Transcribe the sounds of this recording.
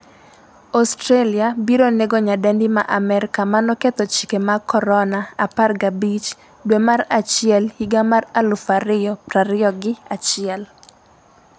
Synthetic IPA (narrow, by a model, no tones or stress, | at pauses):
ɔstɾaliabiɾoneɡoɲadɛndɪmaʔamɛɾɪkamanɔkɛt̪ɔt͡ʃi̥kemakɔɾɔnaaparɡabit͡ʃ | dwemaɾat͡ʃɪɛlhiɡamaralufaɾɪjɔpɾaɾɪɔɡɪat͡ʃɪɛl